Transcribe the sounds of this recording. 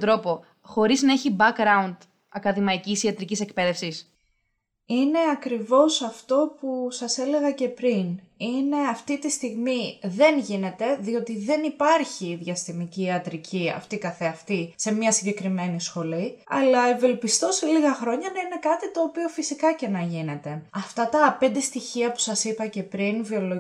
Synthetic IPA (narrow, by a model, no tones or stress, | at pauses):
t̪ɾo̞po̞ | xo̞ɾiznɐe̞çibɐkɾɐund̪ | ɐkɐðimɐicisiɐt̪ɾicise̞kpe̞ðe̞fsis | ine̞ɐkɾivo̞sɐft̪o̞pusɐse̞le̞ɣɐce̞pɾinine̞ɐft̪it̪ist̪iɣmiðe̞nʝine̞t̪e̞ðio̞t̪iðe̞nipɐɾçiðʝɐst̪imiciɐt̪ɾicʰiɐ̰ft̪ikɐθeɐft̪ise̞mɲɐsiɲɟe̞kɾime̞nisxo̞liɐ̰lɐe̞ve̞lpist̪o̞se̞liɣɐxɾo̞ɲɐnɐine̞kɐt̪it̪o̞ːpio̞fisikɐce̞nɐʝine̞t̪e̞ɐft̪ɐt̪ɐpe̞nd̪e̞st̪içiɐpu̥sɐsipɐce̞pɾinvio̞lo